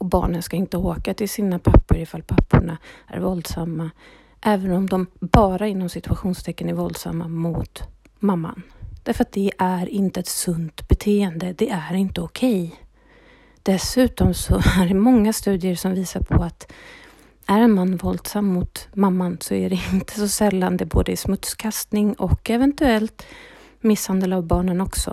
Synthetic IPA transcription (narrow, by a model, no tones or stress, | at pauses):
ɔbɑ̰ːɳənskaɪnt̪əoːkat̪ɪlsiːnapʰapːʊɾɪfalːpʰapːʊɳaæ̰ɾvɔld̪samːa | ʔɛːvənɔmd̪ɔmbɑːɾaɪnːɔmsɪt̪ɵaɧuːnst̪ʰɛkːənæɾvɔld̪sa̰mːa̰mʊt̪ | mamːa̰nd̪̥æɾfəɾat̪̚d̪ɛʔæɾɪnt̪əɛt̪sɵnt̪bɛt̪ʰeːɛnd̪əd̪ɛæɾɪnt̪əɔkʰɛj | d̪̥ɛsʉ̟ːt̪ɔmsɔæɖɛmɔŋːast̪ʉ̟ːd̪ɪəɾsɔmviːsaɾpʰɔat̪ | æɾɛnmanːvɔld̪samːʊt̪mamːansɔæɾɛɪnt̪ʰə̥sɔsɛlːand̪ɛboːd̪əɪsmɵt̪skʰast̪nɪŋɔkːɛvɛnt̪ɵɛlt̪ | mɪshand̪əlavbɑːɳənɔksɔ̰